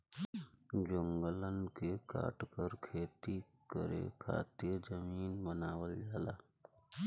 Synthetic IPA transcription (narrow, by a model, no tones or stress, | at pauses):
d͡ʒʊŋɡələnkeka̰ːʈkəɾkʰeːt̪i | kə̰ɾḛkʰa̰ːt̪ɪɾd͡ʒəmiːnbənaːwəld͡ʒaːlaː